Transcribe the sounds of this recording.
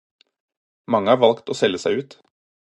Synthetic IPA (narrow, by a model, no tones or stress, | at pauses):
mɑŋːəɑːɾʋɑlkt̪oːsɛlːəsæɪʉːt̪